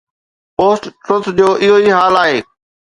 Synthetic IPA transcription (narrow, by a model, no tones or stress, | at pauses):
poːsʈʈɾʊt̪d͡ʑoːʔɪɦoiɦaːlaːɦeː